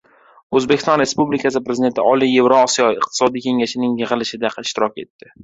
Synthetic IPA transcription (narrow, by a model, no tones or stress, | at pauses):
ɵzbekʲɪst̪ɒnɾe̞spublɪkʰasɪpɾeɪd̪et̪ʰɪɒlije̞vɾoɒsijɒɪqt̪ʰɪ̥sɒd̪ijkʲʰe̞ŋaʃɪnɪŋjɨʁɨlɪʃɪd̪aqʰɪʃt̪ɪɾɒkʲe̞t̪ːɪ